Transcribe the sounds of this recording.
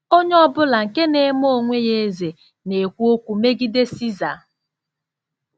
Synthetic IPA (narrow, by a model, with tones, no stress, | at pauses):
o˦ɲe˦ɔ˦bʊ˦la˨ŋ̩˨ke˦ne˦m˦o˦˨ŋʷe˦je˦ze˨ | ne˨kʷu˦o˦kʷu˨me˦ɡi˦de˦si˦za̰˨